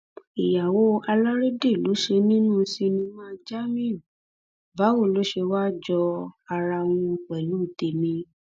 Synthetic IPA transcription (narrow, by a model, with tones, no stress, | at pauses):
i˨ja˨wo˨˦a˧la˦ɾe˦de˦˨lo˨˦ʃe˧nĩ˦nũ˦˧si˧nĩ˧mã˦˧d͡ʒa˦mĩ˦˨ | ba˨˦wo˦˨lo˨˦ʃe˧wa˦d͡ʒɔ˧a˧ɾa˧w̃ũ˧k͡pɛ˨lu˨˦˨te˧˨mĩ˧